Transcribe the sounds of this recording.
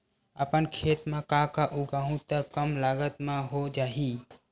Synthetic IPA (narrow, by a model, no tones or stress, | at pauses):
əpənkʰet̪mẽkãkaʔuɡaɦũt̪əkəmlaɡət̪meɦod͡ʒaɦi